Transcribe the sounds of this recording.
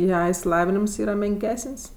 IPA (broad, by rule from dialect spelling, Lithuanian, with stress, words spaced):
ˈjɛ ɪʃʲsʲɪˈlˠɑːʋʲɪnʲɪms ˈiːrɐ mʲɛŋʲˈkʲæːsʲɪnˈs